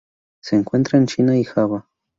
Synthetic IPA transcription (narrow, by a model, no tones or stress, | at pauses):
seŋkwent̪ɾant͡ʃinaixaβa